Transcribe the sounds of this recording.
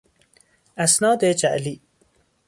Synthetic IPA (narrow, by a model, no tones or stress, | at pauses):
æsnɑːd̪ed͡ʒæʔliː